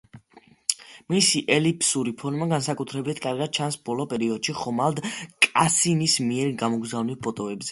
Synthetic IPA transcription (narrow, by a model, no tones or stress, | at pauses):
misiʔɛlipʰsuɾipʰɔnmaɡansakʼut̪ʰɾɛbit̪ʰkʼaɾɡad̪̥̚t͡ʃʰansbɔlˠɔpʼɛɾiɔd̪̥ʃiχɔmalˠd̪kʼasinismiɛɾɡamɔɡzavnilˠpʰɔt̪ʼɔɛbzɛ